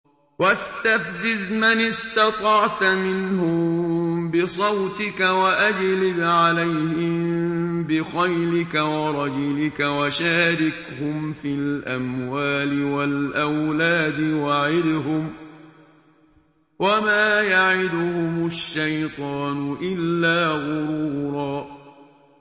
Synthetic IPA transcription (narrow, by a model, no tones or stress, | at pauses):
wast̪afd͡ʒɪzmanɪst̪ɑt̪ˤɑʕt̪mɪnhʊmbɪsˤɑwt̪ɪkawaʔad͡ʒlɪbʕalajhɪmbɪxajlɪkawɑɾˤɑd͡ʒʊlɪkawaʃaːɾɪkhʊmfɪlʔamwaːlɪwalʔawlaːd̪ɪwaʕɪd̪ɦʊm | wamaːjaʕɪd̪ʊhʊmʊʃːajt̪ˤɑːnʊʔɪlːaːɣʊɾuːɾˤɑː